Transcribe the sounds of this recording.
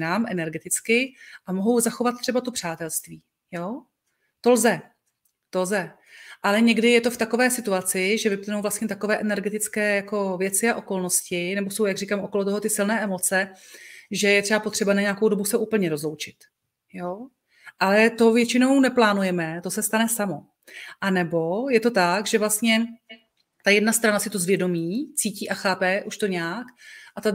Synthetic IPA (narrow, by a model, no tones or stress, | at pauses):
naːmʔɛnɛɾɡɛt̪ɪt͡skɪʔamoɦo̞wzaxo̞vat̪̚t̪ːr̥ɛbat̪opr̥aːt̪ɛlst̪viː | joː | t̪o̞lzɛ | t̪o̞lzɛ | ʔalɛɲɛɡdɪjɛt̪o̞ft̪ako̞vɛːsɪt̪uat͡sɪʒɛvɪp̪nowvlast̪ɲɛt̪akovɛːʔɛnɛɾɡɛt̪ɪt͡skɛːjako̞vjɛt͡sɪaʔo̞ko̞lnoscɪnɛbo̞so̞wjaɡr̝iːkaːmʔoko̞lot̪oɦo̞t̪ɪsɪlnɛːʔɛmo̞t͡sɛ | ʒɛjɛt̪r̥ɛbapo̞t̪r̥ɛbanaɲɛakowdo̞busɛʔuːpl̩ɲɛɾo̞zlo̞wt͡ʃɪt̪ | joː | ʔalɛt̪o̞vjɛt͡ʃɪno̞wnɛplaːnujɛmɛt̪osɛst̪anɛsamo̞ | ʔanɛbo̞jɛt̪o̞t̪akʒɛvlast̪ɲɛ | t̪ajɛdnast̪ɾanasɪt̪o̞zvjɛdo̞miːt͡siːciːʔaxaːpɛʔuʃt̪o̞ɲɛakʔat̪a